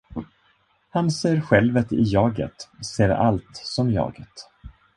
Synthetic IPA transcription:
hanseːɾɧɛlvət̪ɪ̰jɑːɡə̰t̪seːɾa̰lt̪sɔmjɑ̰ːɡət̪

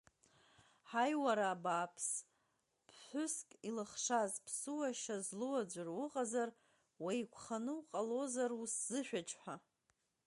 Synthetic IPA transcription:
ħajwaɾaːbaːpʰs | pʰħʷʊskʼilɨχʂazpʰsɨwaʃazluwad͡ʒʷarwʊqʼazar | wajkʷʰχanɨwqʼalo̞zarusz̥ɨʃᶣat͡ʃʼħʷᶣa

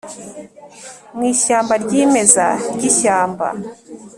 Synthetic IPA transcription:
mwiːʃaːmbaɾɟiːme̞za̰ɾɟiʃaːmba̰

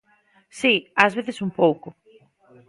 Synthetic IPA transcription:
siazβeθesumpowkʊ

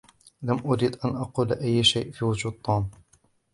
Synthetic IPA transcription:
lamʔʊɾiːd̪ʔanʔɑquːlʔajːʃajʔfiːwʊd͡ʒuːd̪̚t̪ˤʰːuːm

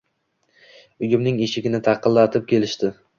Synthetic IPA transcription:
ʊjʊmnɪŋeʃɪɡʲɪnɪt̪ʰɑqɨlˠlːat̪ʰɪp̚kʲʰe̞lɪʃt̪ɪ

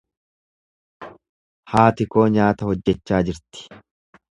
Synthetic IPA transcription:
haːt̪ɪko̞ːɲaːt̪ɐhɔd͡ʒːɛt͡ʃːaːd͡ʒɪɾt̪ɪ̥

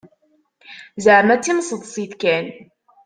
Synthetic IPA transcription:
zəʕmæt͡sːimsˤəðˤsˤiθkæn

